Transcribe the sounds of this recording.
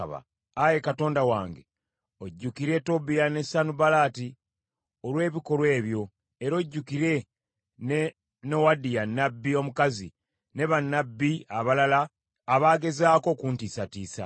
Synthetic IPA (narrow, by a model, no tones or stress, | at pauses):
βa̰ | aje̞kato̞ːndawaːŋɡe | o̞ɟːukiɾe̞to̞bijane̞sanubalaːti | olwe̞ːβiko̞ɾwe̞ːβjo̞ | eɾo̞ɟːukiɾe̞ | nowadijanːabːio̞mukazḭ | ne̞βanːabːiaβalalaː | βaːɡe̞zaːko̞kuːntisatiːsa̰